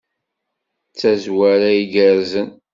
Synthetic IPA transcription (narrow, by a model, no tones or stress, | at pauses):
t͡sːæzwæɾæiɡəɾzən